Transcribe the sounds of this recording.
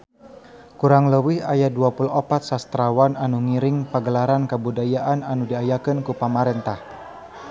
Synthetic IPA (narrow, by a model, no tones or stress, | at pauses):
kuɾaŋləwɪhajaduapuluopat̪̚sast̪ɾawananuŋiɾɪŋpəɡəlaɾankəbudajaʔananudiajakənkupamaɾɛnt̪ah